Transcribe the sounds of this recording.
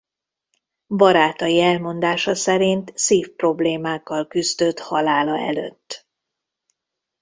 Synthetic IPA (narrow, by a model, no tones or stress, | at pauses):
bɒɾaːt̪ɒjiɛlmo̞nd̪aːʃɒsɛɾint̪siːfpro̞bleːmaːkːɒlkyzd̪øt̪hɒlaːlɒɛ̰lø̰t̪ː